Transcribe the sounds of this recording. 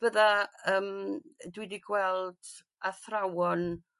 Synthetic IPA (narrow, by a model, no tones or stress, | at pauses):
b̥əðaəːmdwidiɡwɛlˠd̥ | aθrawɔn